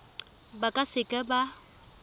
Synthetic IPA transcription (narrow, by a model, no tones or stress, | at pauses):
bakʼasɪkʼɛba